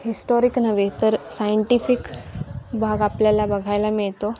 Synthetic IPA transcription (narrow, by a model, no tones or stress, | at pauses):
ɦisʈɔɾiknəʋet̪əɾsajəɳʈifik | bʱaɡapljalabəɡʱajlamiɭt̪o